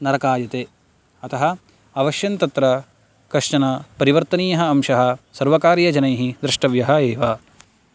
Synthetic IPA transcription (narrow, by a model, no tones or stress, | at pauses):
nɐɾɐkaːjɐt̪eː | ɐt̪ɐɦɐ | ɐʋɐʃjɐnt̪ɐt̪ɾɐ | kɐʂɐnɐpɐɾiʋɐɾt̪ɐniːjɐɦɐɐmʃɐɦɐ̆sɐɾʋɐkaːɾjɐd͡ʒɐnɐjɦid̪ɾɪʂʈɐʋjɐɦɐeːʋaː